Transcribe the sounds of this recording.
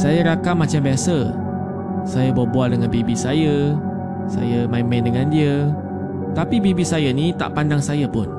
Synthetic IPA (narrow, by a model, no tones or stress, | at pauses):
sajəɾakamːãt͡ʃambiasə | sajəbabualdəŋanbebisajə | sa̰jəmaimãndəŋãndiə | t̪apibebisajənĩt̪a̰ʔpandaŋsajəpʊn